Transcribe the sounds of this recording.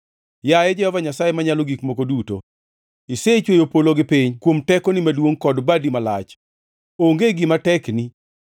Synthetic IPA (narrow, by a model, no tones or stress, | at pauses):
jajɛd͡ʒɛhɔvaɲasajemaɲaloɡikmokoduto̰ | iset͡ʃwejopoloɡɪpiɲkwomtɛkɔnimadwoŋkɔdbadimalat͡ʃ | oŋɡeɡɪmatɛkni